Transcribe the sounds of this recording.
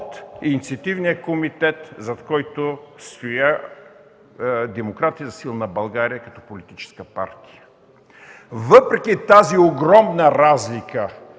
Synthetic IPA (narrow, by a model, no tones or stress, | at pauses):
ot̪init̪siɐt̪ivnijəkomit̪ɛt̪zɐt̪kɔjt̪ost̪oja | d̪ɛmokɾat̪iəzɐsilˠnɐbɐlˠɡaɾijəkɐt̪ɔpolit̪it͡ʃɛ̥skəpa̰ɾt̪i̥jə | vəpɾɛkit̪azioɡɾɔmnəɾazlikə